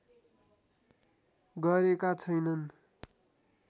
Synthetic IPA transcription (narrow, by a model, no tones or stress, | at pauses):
ɡʌɾekat͡sʰʌjnʌn